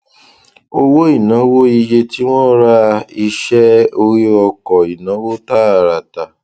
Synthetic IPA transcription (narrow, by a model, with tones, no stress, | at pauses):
o˦wo˦i˨nɔ̃˨˦wo˦i˧je˧ti˦w̃ɔ̃˦ɾa˦i˧ʃɛ˦o˧ɾi˦ɔ˧kɔ˨i˨nɔ̃˨˦wo˦ta˦˨ɾa˨ta˨